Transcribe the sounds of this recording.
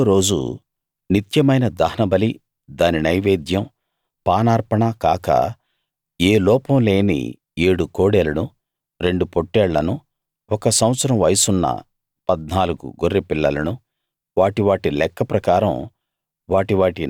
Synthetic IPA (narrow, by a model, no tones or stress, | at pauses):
ɾo̞ːd͡ʒṵ | nit̪jɐmɐjnɐd̪ɐɦɐnɐbɐli | d̪aːninɐjʋeːd̪ʱjɐm | paːnaːɾpɐɳɐkaːkɐ̰ | eːlɔːpɐmle̞ːnḭ | eːɽukoːɽeːlɐnu | ɾe̞ɳɖupoʈːɛːɭːɐnu | ɔkɐsɐw̃ɐt̪sɐɾɐmʋɐjsunːɐ̰ | pɐd̪̚naːluɡṵɡorːipiɭːɐlɐnu | ʋaːʈiʋaːʈilɛkːɐpɾɐkaːɾɐ̰m | ʋaːʈiʋaːʈi